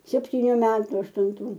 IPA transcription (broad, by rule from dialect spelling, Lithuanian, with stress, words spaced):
sʲɛpʲtʲiːˈnʲuː ˈmʲæːtʊ ɐʃtʊnˈtuː